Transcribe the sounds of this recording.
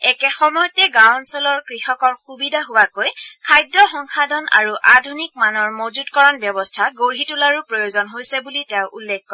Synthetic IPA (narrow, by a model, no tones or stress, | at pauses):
ɛkɛxɔmɔjɔtɛɡawnsɔlɔɹkɹixɔkɔɹxubidʱaɦʊwakojkʰajdːɔxɔŋxʰadɔna̰ɹuʔadʱunik̚manɔɹmozutkɔɹɔnbjɔbɔstʰaɡoɹɦitulaɹupɹojozɔnɦojsɛbulitɛʊʔulːɛk̚kɔ